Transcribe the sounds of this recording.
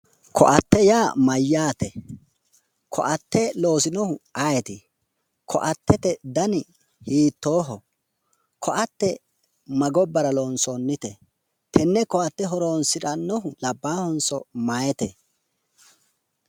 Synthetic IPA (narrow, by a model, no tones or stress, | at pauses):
kʰɔ̰ʔɐt̪ːɛjaːmɐjːaːt̪ɛ | kʰɔ̰ʔɐt̪ːɛlo̞ːsɪnɔhʊɐjɛt̪ɪ | kʰɔ̰ʔɐt̪ːɛt̪ɛd̪ɐnɪ | hiːt̪ːo̞ːɦɔ | kʰɔʔɐt̪ːɛ | mɐɡɔbːɐɾɐloːnsɔnːɪt̪ɛ | t̪ʰɛnːɛkɔɐt̪ːɛɦɔɾoːnsɪᶑɐnːɔɦʊlɐbːaːhɔnsɔ̰majɛt̪ɛ